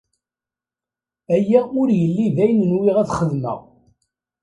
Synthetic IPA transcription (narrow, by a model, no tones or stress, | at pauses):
æjːæʊɾjəlːiðæjənənwiʁæθχəðmə̰ʁ